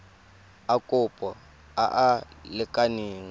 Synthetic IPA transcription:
akʼʊpʼɔ | a̰ʔalɪkʼaniːŋ

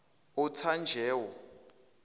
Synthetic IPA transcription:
utʰand͡ʒʱɛːwɔ

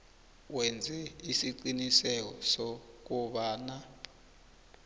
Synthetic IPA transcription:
wɛnd͡zʱɛisiǀinisɛk̬ɔsɔk̬uɓaːna

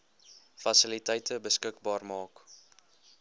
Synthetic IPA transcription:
fɐsəlitɛjtəbəskəkbɑːrmɑːk

